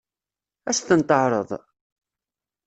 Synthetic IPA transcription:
æst̪ənt̪ˤəʕɾˤə̰ðˤ

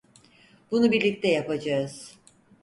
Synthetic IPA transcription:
bunubiɾlʲic̚t̪ʰɛjapad͡ʒaɯz̥

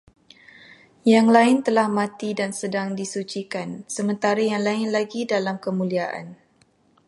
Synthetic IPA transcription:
jaŋlaɪnt̪əlahmãt̪idansədaŋdisut͡ʃikansəmə̃nt̪aɾajaŋlaɪnlaɡidalamkəmũliaʔa̰n

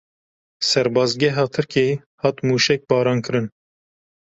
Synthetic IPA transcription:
sɛɾbɑːzɡɛɦɑːt̪ʰɨɾke | hɑt̪muːʃɛk̚bɑːɾɑːnkʰɨɾɨn

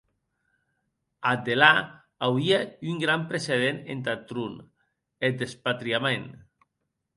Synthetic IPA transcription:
ad̪ela | awiayŋɡɾampɾeseðenent̪at̪ɾun | ed̪espat̪ɾiamen

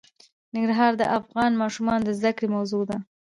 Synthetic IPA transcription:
nɪŋɡɾaɦɑɾd̪əʔafɣɑnmɑʃumɑnd̪əzd̪akɽemawzod̪a

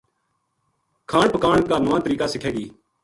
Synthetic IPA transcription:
kʰaːɳpəkaːɳkaːnoʋãːt̪əɾiːkaːsɪkʰeːɡiː

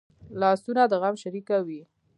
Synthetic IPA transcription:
lɑsunad̪əɣamʃaɾikawi

